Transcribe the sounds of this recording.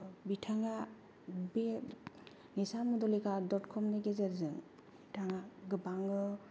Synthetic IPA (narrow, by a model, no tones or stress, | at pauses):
bitʰaŋa | be | nisamudɔlikʰadɔtkʰɔmneɡezeɾzɯŋ | itʰaŋaɡɯbaŋɯ